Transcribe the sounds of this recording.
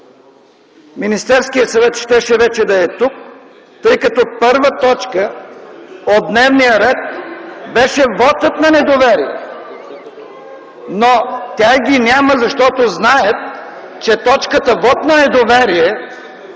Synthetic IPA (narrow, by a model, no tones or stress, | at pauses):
minist̪ɛɾskijəsɐvɛt̪ʃt̪ɛʃɛvɛt͡ʃɛd̪ɐɛt̪uk̚ | t̪ɤjkɐt̪ɔpɤɾvət̪ɔt͡ʃkə | od̪d̪nɛvnijəɾɛt̪̚bɛʃɛvɔt̪ət̪nɐnɛd̪ovɛɾijɛ̰ | not̪ʲaɡʲinʲaməzɐʃt̪ɔt̪oznajət̪̚ | t͡ʃɛt̪ɔt͡ʃkət̪əvɔt̪nɐnɛd̪ovɛɾijɛ